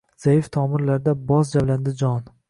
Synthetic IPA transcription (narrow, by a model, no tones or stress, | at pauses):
z̥ajɪft̪ʰɒmɪɾlaɾd̪abɒzd͡ʒaβland̪ɪd͡ʒɒn